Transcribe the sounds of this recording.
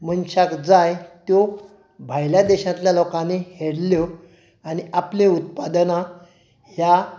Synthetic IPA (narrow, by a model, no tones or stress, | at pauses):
mənɕakd͡zajt̪jo | bʱajljad̪ɛɕãt̪ljalokãneheɽljo | añiʔaplẽut̪pad̪na | hja